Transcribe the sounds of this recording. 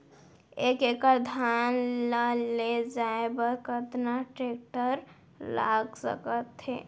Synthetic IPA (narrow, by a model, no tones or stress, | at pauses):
ekekəɾd̪ʱanləled͡ʒaebəɾkət̪naʈɾek̚ʈəɾ | la̰ɡsə̰kət̪ɦḛ